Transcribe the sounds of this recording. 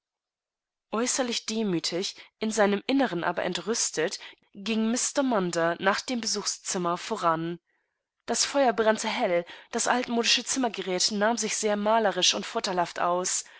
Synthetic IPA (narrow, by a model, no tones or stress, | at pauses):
ʔɔʏsɐlɪçd̥eːmyːtʰɪçʔɪnzaɪnəmʔɪnəʁənʔa̰ːbɐ̰ʔɛ̰ntʁʏstʰət | ɡ̥ɪŋmɪstɐmandɐnaːχd̥eːmbəzuːxst͡sɪmɐfoːʁan | d̥asfɔʏɐbʁantʰəɦɛld̥asʔaltmoːdɪʃət͡sɪmɐɡəʁɛːtnaːmzɪçz̥eːɐmaːləʁɪʃʊntfʊɐtʰaɪlhaftʔa̰ʊs